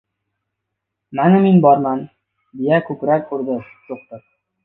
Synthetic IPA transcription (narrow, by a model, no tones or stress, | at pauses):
mænɘminbɒɾmɑn | d̪ijækʉkɾækːʉɾd̪ɘ | juq̚t̪ɤ